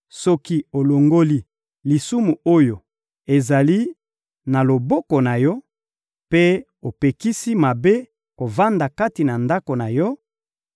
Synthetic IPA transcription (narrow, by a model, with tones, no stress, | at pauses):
sɔ˦ki˦o˨lo˨ŋɡo˦li˦ | li˨su˦mu˨o˦jo˨ | e˨za˨li˦ | na˨lo˨bɔ˦ko˨na˨jɔ˦ | pe˦ | o˨pe˨ki˦si˦ma˨be˦ | ko˨va˦nda˨ka˦ti˨na˨nda˦ko˨na˨jɔ˦